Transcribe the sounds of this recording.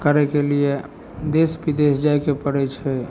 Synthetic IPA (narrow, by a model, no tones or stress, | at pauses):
kəɾɛkelie | d̪esbid̪esd͡ʒajkepəɽɛt͡ʃʰɛ